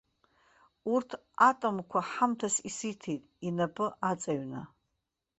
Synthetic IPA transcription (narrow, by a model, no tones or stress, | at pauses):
urtʰ | atʼomkʷʰaħamtʰasisitʰejtʼinapʰʼɨʔat͡sʼaɥna̰